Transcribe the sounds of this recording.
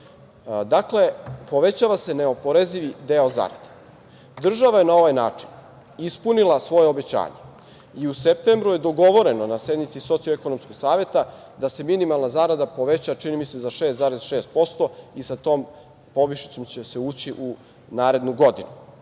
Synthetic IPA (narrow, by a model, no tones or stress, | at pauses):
d̪akle̞po̞ʋe̞t͡ɕaʋase̞ne̞opo̞ɾeziʋid̪eoza̰ɾa̰d̪e̥ | d̪r̩ʒaʋaje̞nao̞ʋajna̰ːt͡ʂin | ispunilˠasʋo̞jeobet͡ɕa̰ːɲe̞ | iusep̚t̪eːmbɾuje̞d̪oɡo̞ʋo̞ɾe̞no̞nasje̞d̪mit̪siso̞t̪sioeko̞nomskoɡ̥saːʋje̞t̪a | d̪ase̞minimalˠnazaːɾad̪apo̞ʋe̞t͡ɕat͡ʃinimise̞zaʃe̞ːszaːɾezʃe̞ːst̪̚po̞st̪o̞isat̪o̞ːm | po̞ʋiʃi̥t̪so̞mt͡ɕese̞uːt͡ɕiʔu | naːɾe̞d̪nuɡo̞d̪inu